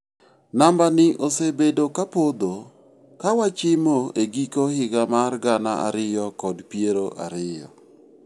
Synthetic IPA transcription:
nambanɪʔosebedokapod̪o | kawat͡ʃɪmoeɡikohɪɡamarɡana̰a̰ɾɪjɔkɔdpieɾoʔa̰ɾɪjɔ̰

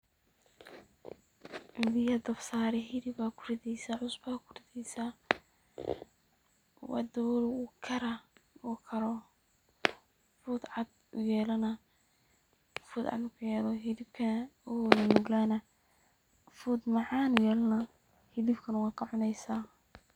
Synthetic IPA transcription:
bɪjɐd̪ɐfsaːɾɛɦɪðɪbaːkʰʊrɪðɛjsaːʕʊsbaːkʰʊrɪðɛjsaː | wɑ̰d̪ɐwɔlʊkʰɐɾɐɔkʰɐɾɔ | fʊːd̪ʕɑd̪̚ | ʊjɛːlɐnɐ | fuːd̪ʕɑ̰d̪ʊkʰʊjɛːlɔɦɪðɪb̚kʰɐnɔnnʊɡlaːnɐ | fuːd̪mɑʕɑːnʊjɛːlnɐ | hɪðɪbkʰɐnʊwːqʰɑʕʊnɛjsaː

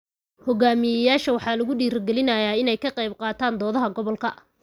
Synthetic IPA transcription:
hɔɡaːmɪjɐjaːʃɐwɑħɑːlɐɣʊɖiːɾɐɡɛlɪnɐjaːɪnɛjkʰɐqɑjb̚qɑːt̪ʰaːnd̪ɔːðɐɦɐɡɔβɔlkʰɐ

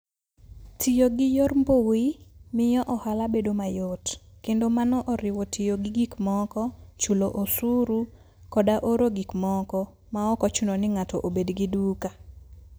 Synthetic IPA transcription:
tʰijoɡɪjormbowimɪjɔʔɔhalabedomajotkendomanɔʔɔɾɪwɔtʰijoɡɪɡikmɔkɔt͡ʃuloʔosuɾu | kɔdaʔoɾoɡikmɔkɔ | maɔkɔt͡ʃunonɪŋatɔʔobedɡiduka

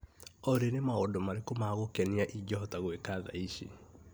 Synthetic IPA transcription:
ɔɾenemaodomaɾekomaɣokɛniaʔiɟɔɦɔtaɣwekaða̰iʃḭ

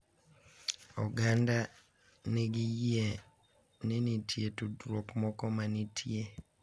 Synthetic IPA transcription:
ɔɡanda | neɡijie | ninitʰjetudɾokmɔkɔmanitʰje

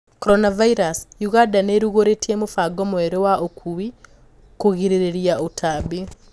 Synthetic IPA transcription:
koɾɔnavaiɾasjuɣadaneɾuɣoɾetiemofaɡomweɾewaʔokʰuwi | koɣiɾeɾeɾiaotʰaβi

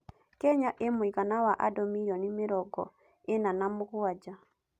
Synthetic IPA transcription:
kɛɲaʔemoiɣanawaʔa̰dɔmijɔnimeɾɔɡɔ̰ | enanamoɣwad͡ʒa

